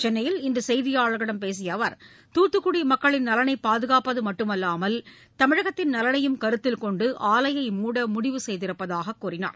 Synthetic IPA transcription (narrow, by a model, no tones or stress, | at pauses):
t͡ʃɛnːɐjɪlɪndɯsɛjðɪjaːɻɐɣɐɽɐmpeːs̬ɪjɐʋɐɾ | t̪uːʈːɯkːʊɽimɐkːɐɭɪnnɐlɐnɐɪpaːðɯɣaːpɐðɯmɐʈːɯmɐlːaːmɐl | t̪ɐmɪɻɐɣɐt̪ːɪnnɐlɐnɐjɯmkɐɾɯt̪ːɪlkɔɳɖɯʔaːlɐjɐɪmuːɽɐmʊɽɪʋɯsɛjðɪɾɯpːɐðaːɣɐkːuːrɪna̰ːɾ